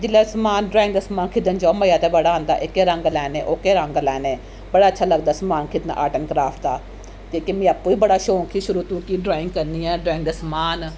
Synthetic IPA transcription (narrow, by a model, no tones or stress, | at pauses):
d͡ʒɪlːeːsmaːnɖɾaːɪ̃ŋɡd̪əsmaːnkʰɪd̪ənd͡ʒɔːməjaːt̪eːbəɽaːɦə̃nd̪a̰ːʔɪkːeːɾə̃ŋɡlɛːneːʔoːkeːɾəŋɡlɛːneː | bəɽaːətːʃʰaːləɡd̪aːsmaːnkʰɪd̪na̰ʔa̰ːʈənkɾaːfʈd̪aː | kiːkemĩːaːpːuːiːbəɽaːʃõːŋkʰiːʃʊɾuːt̪ũkiːɖɾaːɪ̃ŋɡ̚kəɾniːɛːɖɾaːŋd̪əsmaːn